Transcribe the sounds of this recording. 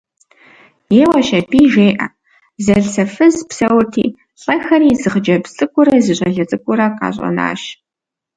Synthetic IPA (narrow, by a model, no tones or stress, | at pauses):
jeːwɐʃɐpʰiːʒeːʔɐ̰ | zɐɮsɐfɨzpsɐwrtʰḭː | ɬʼɐxɐɾiːzɨʁəd͡ʒɐpt͡sʼɨkʷʼʊɾɐzɨɕʷʼɐɮɐt͡sʼɨkʷʼʊɾɐqɑ̰ːɕʼɐ̰na̰ːɕ